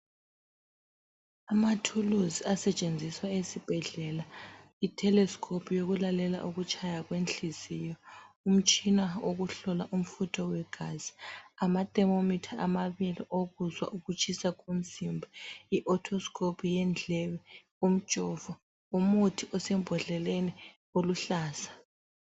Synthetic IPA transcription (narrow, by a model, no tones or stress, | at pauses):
amatʰuluziasɛt͡ʃʼend͡zʱiswaesib̥ʱɛɮɛla | itʰɛlɛskʰopʰujoɣulalɛla̰ʔuɣut͡ʃʰʼajaɣwent͡ɬizijɔum̩t͡ʃʼinaoɣuɬɔlaʔum̩futʰɔwɛɡ̥ʱaz̥i̥amatʼɛmomitʰaamaβiliʔoɣuzwa̰ʔuɣut͡ʃʰʼisaɣun̩sʼimbʱaiʔɔtʰɔskʰʼopʰujɛnd͡ɮʱɛβɛ | um̩t͡ʃʼɔːv̥a | umutʰiʔɔsɛm̩bʱɔɮɛleni | oluɬaːsḁ